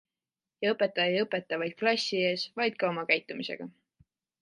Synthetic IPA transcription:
jɑɤpːˑe̞t̪ːˑɑejɤpːˑe̞t̪ːˑɑvɑjd̪̥̚klɑsʲːieːsvɑjd̪̥̚kɑomɑkæjt̪ːˑumise̞̰ɡ̥ɑ

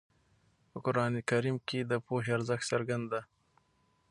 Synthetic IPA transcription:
pəkʊɾɑːnekɐɾiːmked̪əpoːɦeaɾzəxsɐɾɡand̪a

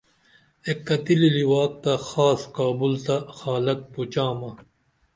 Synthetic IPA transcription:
ekːɐt̪ililiwaːk̚t̪ɐxaːskaːbult̪ɐxaːlɐk̚put͡ɕaːmɐ

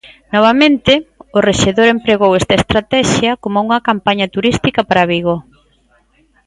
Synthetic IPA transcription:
nɔβ̞ɐmẽnt̪ɪʊreʃeðoɾempɾeɣowɛst̪ɐest̪ɾat̪ɛʃjɐkomouŋɐkampaɲɐt̪uɾist̪ikɐpaɾaβiɣo

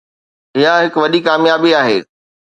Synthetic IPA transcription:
ɪɦaɦɪkʋɐɗikaːmjaːbiaːɦḛː

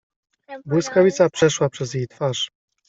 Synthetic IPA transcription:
bwɘskavʲit̪sapʂɛʂwapʂɛzjejt̪faʂ

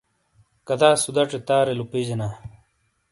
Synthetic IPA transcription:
kɐd̪aːsud̪ɐʈ͡ʂet̪aːɾelupid͡ʑenaː

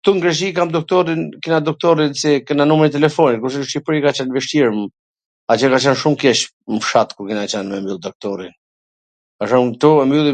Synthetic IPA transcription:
t̪uŋɡɾɛʃ̬ikamd̪ɔk̚t̪ɔɾinkinad̪ɔk̚t̪ɔɾinsɛkɛnanumɾit̪ɛlɛfɔnit̪kuɾʃɛʃt͡ʃipɾikat͡ʃanvɛʃt̪iɾm | at͡ɕɛkat͡ʃanʃumkɛʃ | məfʃat̪kuɾkinat͡ɕanmɛmbylˠd̪ɔk̚t̪ɔɾin | kaʃɔmt̪uɛmylˠi

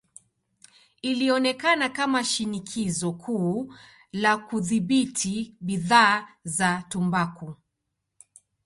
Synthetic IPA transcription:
iliɔnɛkanakamaʃinikʰizɔkʰuː | lakuðiɓitʰiɓiðaːzatumbaku

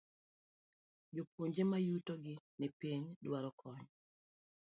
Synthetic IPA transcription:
d͡ʒopoɲd͡ʒemajutoɔɡɪnɛpiɲdwaɾɔkʰɔɲ

